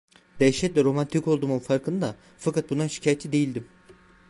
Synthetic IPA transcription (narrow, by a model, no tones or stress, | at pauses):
d̪̥ɛjiʃɛt̪lʲɛɾo̞mant̪ʰiko̞lˠd̪uːmunfaɾkʰɯnɯd̪a | fakat̪̚bunanʃi̥cʰaːjet̪ʰid̪e̞jilʲd̪im